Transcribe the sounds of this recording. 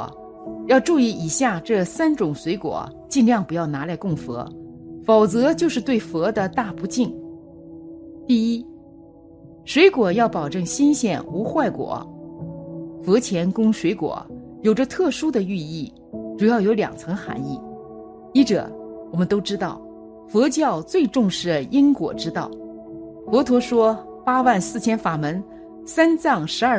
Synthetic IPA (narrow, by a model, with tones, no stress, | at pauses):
jɑ˥˧ʊʈ͡ʂu˥˧i˥˩i˨˩ɕja˥˧ʈ͡ʂɤ˥˩sa˥nʈ͡ʂʊ˨˩ŋʂwe˧˥ɪkwɔ̰˨˩˦t͡ɕi˥˧nljɑ˥˩ŋpu˧˥jɑ˥˩ʊna˧˥la˧˥ɪkʊ˥˩ŋfɤ̰˧˥fɑ˨˩ʊt͡sɤ˧˥t͡ɕjo˥˧ʊʂɻ̩˥˧t̪we˥˩ɪfɤ˧˥d̪ə˨t̪a˥˩pu˧˥t͡ɕi˥˩ŋ | t̪i˥˩i˥ | ʂwe˧˥ɪkwɔ˨˩jɑ˥˩ʊpɑ˨˩ʊʈ͡ʂɤ˥˩ŋɕi˥nɕjɛ˥˩nu˧˥xwa˥˩ɪkwɔ̰˨˩˦ | fɤ˧˥t͡ɕʰjɛ˧˥nkʊ˥ŋʂwe˧˥ɪkwɔ̰˨˩˦jo˨˩ʊʈ͡ʂə˦t̪ʰɤ˥˩ʂu˥d̪ə˨y˥˧i˥˩ | ʈ͡ʂu˨˩jɑ˥˩ʊjo˧˥ʊljɑ̰˨˩ŋt͡sʰɤ˧˥ŋxa̰˧˥ni˥˩ | i˥ʈ͡ʂɤ̰˨˩wɔ˨˩mə˦nt̪o˥ʊʈ͡ʂɻ̩˥t̪ɑ˥˩ʊ | fɤ˧˥t͡ɕjɑ˥˧ʊt͡swe˥˧ɪʈ͡ʂʊ˥˧ŋʂɻ̩˥˩i˥ŋkwɔ̰˨˩ʈ͡ʂɻ̩˥t̪ɑ˥˩ʊ | fɔ˧˥t̪ʰwɔ˧˥ʂwɔ˥ | pa˥wa˥˧nsɹ̩˥˩t͡ɕʰjɛ˥nfa˨˩mə˧˥n | sa˥nt͡sɑ˥˩ŋʂɻ̩˧˥a˞˥˩